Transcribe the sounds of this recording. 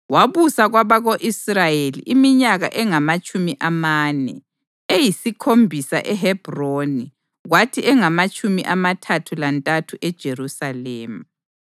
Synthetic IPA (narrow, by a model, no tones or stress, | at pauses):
waβusaɣwaβaɣoʔisrajelḭʔimiɲaɣa̰ʔɛŋamat͡ʃʼumiʔamanɛ̰ | ejisikʰombʱisa̰ʔɛɦɛb̥ʱroni | ɣwatʰiʔɛŋamat͡ʃʼumḭʔamatʰatʰulantʼatʰuʔɛd̥ʒ̥ʱerusaleːmu